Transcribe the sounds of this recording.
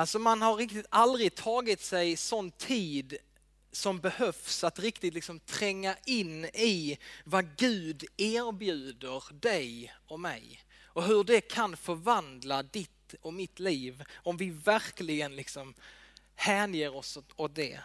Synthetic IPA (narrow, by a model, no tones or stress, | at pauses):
alsɔmanhaɾɾɪk̚t̪ɪt̪ald̪ɾɪt̪ʰɑːɡɪt̪sɛjsɔnt̪ʰːiːd̪ | sɔmbɛhœfsat̪ɾɪkt̪ɪt̪lɪksɔmt̪ʰɾɛŋːaʔɪnːɪvaɡʉ̟ːd̪eːɾbjʉ̟ːd̪əɾd̪ɛjɔmɛ̰j | ɔɦɵɖɛkʰanfœɾvand̪lad̪ɪt̪ɔmɪt̪liːvɔmvɪvæɾklɪɡənlɪksɔm | hæːnjeːɾɔsot̪̚d̪ɛ̰